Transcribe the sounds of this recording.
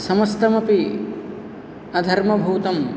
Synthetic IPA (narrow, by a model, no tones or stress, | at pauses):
sɐmɐst̪ɐmɐpi | ɐd̪ʱɐɾmɐbʱuːt̪ɐm